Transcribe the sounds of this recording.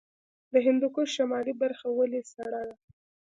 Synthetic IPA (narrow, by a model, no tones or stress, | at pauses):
d̪əɦɪnd̪ukoʃamɑlibaɾxawəlesaɽad̪a